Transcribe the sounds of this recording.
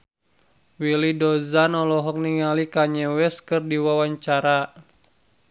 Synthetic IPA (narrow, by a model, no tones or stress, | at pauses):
wilidɔzanɔlɔɦɔk̚niŋalikaɲɛwɛskɨrdiwawaɲt͡ʃaɾa